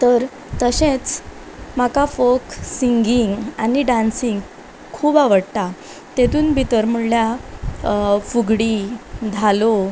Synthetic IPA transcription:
t̪əɾ | t̪əɕẽt͡s | makafoksiŋɡiŋɡaniɖansiŋɡ | kʰuːbaʋəɽt̪a | t̪et̪uːnbʱit̪əɾm̤uɭlja | fuɡɽiːd̪ʱalo

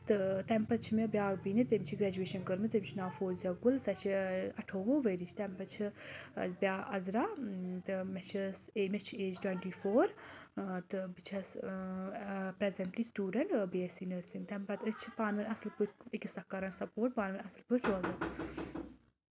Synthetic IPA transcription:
t̪ɨt̪ɛmpɐt͡ʃʰimebjaːɡbinit̪emʲt͡ʃʰiɡɾɛːd͡ʒueːʃɐnkəɾmɨt̪emʲt͡ʃʰinaːfoːzɐɡulsɐt͡ʃʰiɐʈʰoːʋoʋəɾit͡ʃʰt̪ɛmpɐt͡ʃʰi | bʲaːʔɐzɾat̪ɨmet͡ʃʰiseːmet͡ʃʰeːd͡ʒʈweɳʈiːfoːɾ | t̪ɨbit͡ʃʰɐs | pɾezɐɳʈliːsʈuːɖɐɳʈbesinɨsint̪ɛmpɐt̪ɨt͡ʃʰipaːnʋɐnʲɐslput͡ʃikʲisɐkːaɾɐnsɐpoːʈ̚paːnʋɐnʲɐslpuʈʰɾoːd̪ɐ

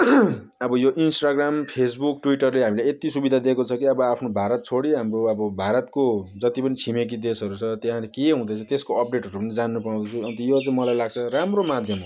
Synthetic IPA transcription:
ʌbʌjoʔinsʈaɡrampʰes̬bukʈwiʈʌrleɦamileet̪isubid̪ʱad̪ekot͡sʰʌkiʌbʌapʰnobʱaɾʌt̪̚t͡sʰoɽiɦamroʌbʌbʱaɾʌt̪kod͡zʌt̪ipʌnit͡sʰimek̬id̪esʌɾut͡sʰʌt̪jeɦãlekeɦũd̪ʌjt͡sʰut̪eskoʌp̚ɖeʈɦʌɾupʌnid͡zanːupaw̃d̪ʌt͡sʰuʌnt̪ʌjot͡sʌĩmʌlajlaɡt͡sʰʌramromad̪ʱjʌm

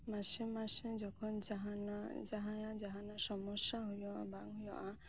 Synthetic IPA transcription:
masẽmasẽd͡ʒɔkʰɔnd͡ʒaɦanad͡ʒaɦãjãd͡ʒaɦãnasɔmɔsjaɦujɔabaŋɦujɔ̃ʔã

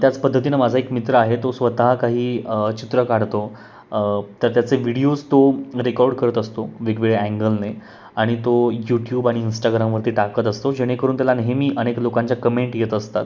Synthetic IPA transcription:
t̪jat͡spəd̪ʱːət̪̬inamad͡zʱaekmit̪ɾəaɦet̪osʋət̪aɦakaɦiːt͡ɕit̪ɾəkaɽt̪o | t̪əɾt̪jat͡seʋiɽiot͡st̪oɾekɔɾɽkəɾət̪əst̪oʋiɡʋiɭeæ̃ŋɡəlne | aɽ̃it̪ojuʈjuːbaɽ̃iːnsʈaɡɾamʋəɾt̪iːʈakət̪əst̪od͡ʑeɽ̃ekəɾuːnt̪jalanəɦemiːʔəneklokãɲt͡ɕjakəmeɳʈjet̪əst̪at̪

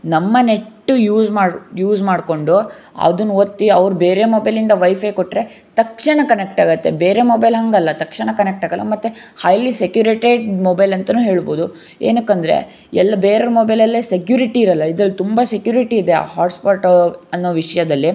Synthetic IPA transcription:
nɐmːɐne̞ʈːujuːzmaːjuːzmaːɽko̞ɳɖu | ɐ̰d̪unːuot̪ːiɐʋɾubeːɾe̞moːbɐjlind̪ɐʋɐjfʰɐjkoʈːɾe̞ | t̪ɐkʂɐɳɐkɐnek̚ʈaːɡɐt̪ːe̞̰beːɾe̞moːbɐjlɦɐŋɡɐlːɐt̪ɐkʂɐɳɐkɐnek̚ʈaːɡɐlːʔɐ̰mɐt̪ːuhɐjlisekjuːɾeʈeɖmobɐjlɐnt̪ɐnuːɦe̞ːɭboːd̪u | ḛːnɐkːɐnd̪ɐɾḛ | ɛlːɐbeːɾɐɾumoːbɐjlɐlːeːsekjuːɾiʈiːɾɐlːɐid̪ɾɐlːt̪umbɐsekjuːɾiʈiːd̪ea̰ːɦaːʈspaːʈɐnːoːʋiʂɐjɐd̪ɐlːi

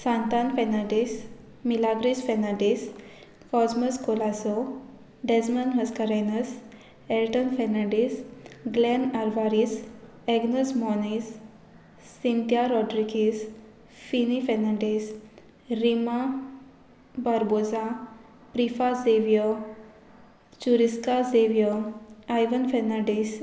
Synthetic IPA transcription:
sãnt̪anfɛnaʈis | milaɡɾisfɛnaʈis | kɔsməskolaso | ɖɛsmənɦəskəɾenəs | ɛlʈənfɛnaɖisɡlɛnaɾʋaɾis | ɛɡnəsmɔnisː | int̪jaɾɔʈɾikis | finifɛnaɳɖis | ɾima | baɾbod͡za | pɾifazeʋijo | t͡ɕuɾiskazeʋjɔajʋənfɛnaɖis

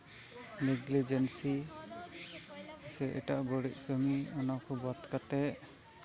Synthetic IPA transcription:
niɡlid͡ʒɛnsi | isɛʔɛ̰ʈaʔbɔɽiʔ̚kʰəmiɔnawkʰɔbat̪kat̪ɛʔ

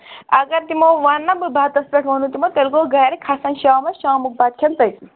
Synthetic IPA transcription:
ɐɡɐɾt̪imoʋɐnːɐbɨbʱaːt̪ɐspʲeʈʰʋoːnut̪imot̪elkoɡɐjɐɾikʰasɐnʃaːmɐʃaːmuk̚baːt̪̚kʰɐnt̪ɐj

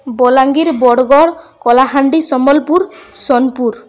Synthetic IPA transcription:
bɔlaŋɡiɾbɔɽɔɡɔɽkɔlaɦaɳɖisɔmɔlpuɾsɔnpuɾ

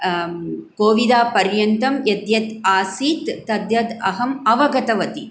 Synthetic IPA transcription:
koːʋid̪aːpɐɾjɐnt̪ɐmjɐd̪jɐt̪aːsiːt̪ːɐd̪jɐd̪ɐɦɐmɐʋɐɡɐt̪ɐʋɐt̪i

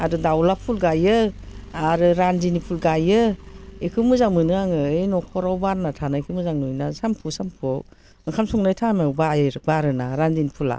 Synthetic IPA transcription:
aɾɯdawlapʰulɡajɯaɾɯɾanzinipʰulɡajɯekʰɯmɯzaŋmɯnɯaŋɯejnɔkʰɔɾawbaɾnatʰanaikʰɯmɯzaŋnujnasampʰusampʰɔ | mɯkʰamsɔŋnajtʰamabajɾbaɾɯnaɾanzinipʰula̰

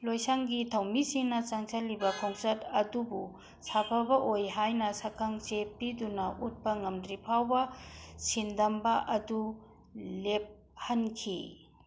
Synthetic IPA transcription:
lojsaŋɡitʰɐwmisiŋnɐt͡ʃaŋsɐlːibɐkʰoŋsɐtɐdubu | sapʰɐbɐʔojɦajnɐsɐkʰɐŋt͡ʃepidunɐʔut̚pɐŋɐmdɾipʰawbɐsindɐmbɐʔɐdu | lep̚ | hɐnkʰi

